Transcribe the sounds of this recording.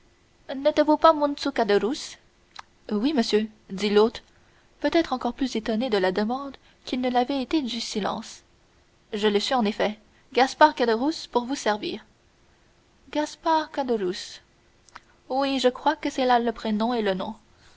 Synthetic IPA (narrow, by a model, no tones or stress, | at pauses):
nɛt̪vupamɔ̃nsukad̪əʁus | wiməsjød̪ilot̪χ | pøt̪ɛt̪χɑ̃kɔʁplyzet̪ɔned̪əlad̪əmɑ̃d̪ | kʲilnəlavɛet̪ed̪ysilɑ̰̃ːs | ʒələsɥiɑ̃nefɛ | ɡaspaʁkad̪əʁuspuʁvusɛʁvḭːʁ | ɡaspaʁkad̪əʁus | wiʒəkχwakəsɛlaləpχenɔ̃elənɔ̰̃